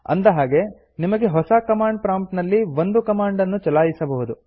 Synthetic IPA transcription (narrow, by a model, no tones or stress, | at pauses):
ɐ̰nd̪ɐɦaːɡe̞ | nimɐɡe̞ɦɔsɐkɐmaːɳɖ̚pɾaːmʈnɐlːiʋond̪ukɐmaːɳɖɐnːut͡ʃɐlaːjisɐbɐɦud̪u